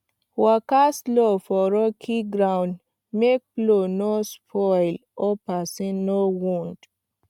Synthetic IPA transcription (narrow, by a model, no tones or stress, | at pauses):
wakaslofɔɹɔkʰiɡɾãw̃n | mek̚plonospʰɔjlɔpasĩnowũnd